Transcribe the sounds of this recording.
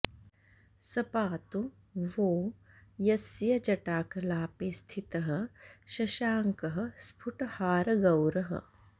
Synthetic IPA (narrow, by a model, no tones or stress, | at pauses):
sɐpaːt̪u | ʋoː | jɐsjɐd͡ʒɐʈaːkɐlaːpeːst̪ʰit̪ɐɦɐ̆ʃɐʃaːŋkɐɦɐ̆spʰuʈhaːɾɐɡɐwɾɐɦɐ̰